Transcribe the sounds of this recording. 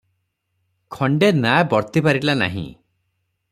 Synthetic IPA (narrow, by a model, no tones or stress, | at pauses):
kʰɔɳɖenabɔɾt̪ipaɾilana̰ɦḭ̃